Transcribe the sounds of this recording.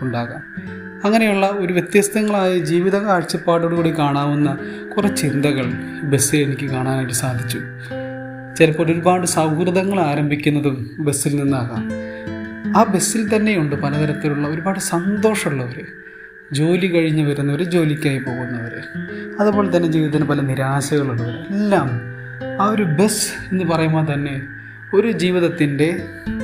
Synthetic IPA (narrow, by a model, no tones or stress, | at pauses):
uɳɖaːɣaːm | ɐŋːɐne̞juɭːɐo̞ɾuʋjet̪jɐst̪ɐŋːɐɭaːjɐd͡ʑiːʋiðɐŋːaːɻt͡ɕːɐpːaːɽoɽɨɣuːɽekaːɳaːʋunːɐ | kurɐt͡ɕind̪ɐɣɐɭ | be̞sːɨenikʲːɨkaːɳaːnaːjʈːɨsaːd̪ʱit͡ɕːu | t͡ɕelɐpːoːlo̞ɾubaːɽɨsɐwkrɨðɐŋːɐɭaːɾɐmbʱikʲːunːɐðumbe̞sːilninːaːɣa̰ːm | aːbe̞sːilt̪ɐnːe̞juɳɖɨpɐlɐðɐɾɐt̪ːiluɭːɐo̞ɾubaːɽɨsɐnd̪o̞ːʂɐmuɭːɐʋɐɾɨ | d͡ʑo̞ːlikɐɻiɲːɨʋɐɾunːɐoɾed͡ʑo̞ːlikʲːaːjipo̞ːɣunːɐʋɐɾɨɐðɐpːo̞ːɭet̪ɐnːe̞d͡ʑiːiðɐt̪inepɐlɐniɾaːɕɐɣɐɭuɳːɐʋɐɾṵelːaːm | aːo̞ɾube̞se̞nːɨpɐrɐjumːot̪ɐnːe̞ | o̞ɾud͡ʑiːʋiðɐt̪ːinde̞